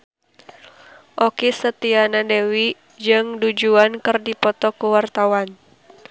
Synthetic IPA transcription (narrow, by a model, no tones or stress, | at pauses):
ʔɔkisət̪ianadewi | d͡ʒɨŋdud͡ʒuankɨrdipɔt̪ɔkuwart̪awan